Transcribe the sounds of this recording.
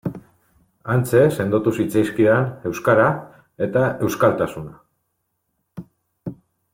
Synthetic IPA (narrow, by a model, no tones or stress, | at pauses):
ant͡se̞se̞nd̪ot̪usit͡sajskiðane̞wskaɾa | e̞t̪ae̞wskalt̪asuna